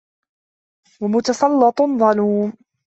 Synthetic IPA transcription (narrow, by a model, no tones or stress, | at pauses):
wamʊt̪ɑsˤɑlːɑt̪ˤðˤɑluːm